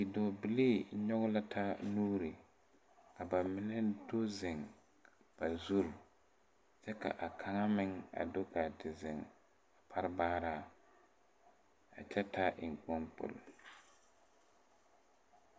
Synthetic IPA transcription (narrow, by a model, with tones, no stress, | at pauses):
i˨dɔ˨bɪ˨leː˦˨ɲɔ˦ɣʊ˦la˦tʰa˦nuː˦ɾi˨ | ka˨ba˨mɪ˨nɛ˦do˦zɪ˨ŋ˨ | b̥a˨zu˦ɾ | t͡ʃɛ˦ka̰˨ʔa˨kʰa˨ŋa˦mɪ˦ŋa̰˨do˦ka˨tɪ˨zɪ˨ŋ | a˨pʰa˦ɾɪ˦baː˦ɾaː˨ | a̰˨t͡ʃɛ˦ta˦ʔɪ˨ŋ˨k͡pɔ˦npʊ̰˨l